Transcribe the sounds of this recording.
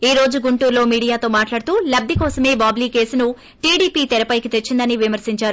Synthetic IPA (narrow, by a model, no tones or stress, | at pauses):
iːɾo̞ːd͡ʒuɡuɳʈuːɾlo̞ːmiːɽijaːt̪o̞ːmaːʈlaːɽut̪uːlɐb̚d̪ʱikɔːsɐme̞ːbaːbliːke̞ːsunu | ʈiːɽiːpiːt̪ɛɾɐpɐjkit̪et͡ʃːind̪ɐniʋimɐɾsiɲt͡ʃaːɾu